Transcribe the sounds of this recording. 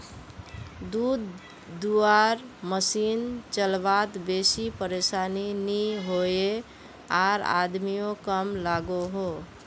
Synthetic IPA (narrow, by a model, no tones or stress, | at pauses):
d̪ud̪ː | uaɾməsint͡ʃəlbat̪besipəɾesaniniɦoe | aɾa̰d̪mijokəmlaɡoɦo